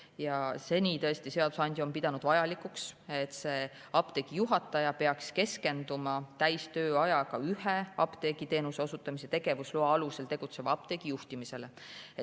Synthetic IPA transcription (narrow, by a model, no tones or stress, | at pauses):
jɑse̞nʲiːt̪ɤ̞est̪ise̞ɑd̪̥usɑnʲd̪̥ʲio̞mpid̪̥ɑnud̪̥vɑjɑlikˑukse̞t̪ːse̞ | ɑpt̪e̞ɡ̥ijuɦɑt̪ːˑɑjɑpe̞ɑkske̞ske̞nd̪umɑt̪æjst̪ø̞ːɑjɑkɑyheɑpt̪e̞ɡ̥it̪e̞ːnuse̞o̞sut̪ːˑɑmiset̪e̞ɡ̥e̞vusluɑɑluse̞lt̪e̞ɡ̥ut̪se̞vɑɑp̚t̪e̞ɡ̥ijuht̪imise̞le̞ | e